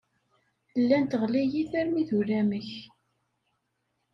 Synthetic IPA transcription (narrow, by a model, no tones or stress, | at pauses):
əlːænt̪əʁlijiθæɾmiθuɾæməç